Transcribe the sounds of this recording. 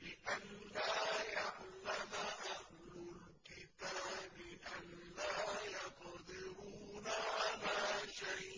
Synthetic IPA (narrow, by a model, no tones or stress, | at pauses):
lɪʔanːaːjaʕlamaʔah | lʊl | kɪt̪aːbɪʔanːaːjɑt̪d̪ˤɨɾuːnaʔalaːʃajʔ